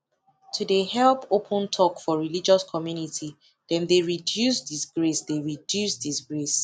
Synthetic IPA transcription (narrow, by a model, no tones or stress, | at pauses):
tʰudehɛlpopʰɔ̃ntʰɔkfɔɹilid͡ʒɔskʰɔmjunitʰi | dɛ̃ndeɹidjusdisɡɹesdeɹidjusdisɡɹes